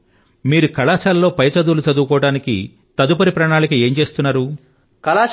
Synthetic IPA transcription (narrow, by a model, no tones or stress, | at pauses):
miːɾukɐlaːsaːlːo̞ːpɐjɐt͡ʃɐd̪uːlut͡ʃɐd̪uːkɔːɐɽaːnikḭ | t̪ɐd̪upɐɾipɾɐːɳaːlɐkie̞ːɲt͡ʃe̞ːst̪unːaːɾu | kɐlaː